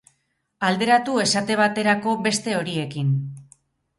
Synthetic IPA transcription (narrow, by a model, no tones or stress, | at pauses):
ald̪e̞ɾat̪ue̞sat̪e̞β̞at̪e̞ɾako̞be̞st̪e̞o̞ɾie̞kin